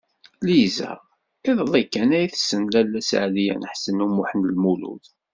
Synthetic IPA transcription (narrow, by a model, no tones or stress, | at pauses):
lizæ̰ʁ | iðlˤikːænæjθsːənlælːæsʕlijæ̰nəħsənumʊħənəlmulṵð